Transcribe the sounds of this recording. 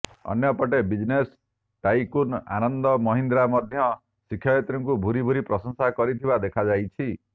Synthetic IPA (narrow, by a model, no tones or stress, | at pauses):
ɔ̰njɔpɔʈebid͡ʒnes | ʈajkuna̰nɔnd̪ɔmɔɦind̪ɾamɔd̪ʱjɔ | sikʰjajat̪ɾɔŋkubʱuɾibʱuɾipɾɔsɔŋsakɔɾit̪ʰibad̪ekʰad͡ʒajt͡ʃʰi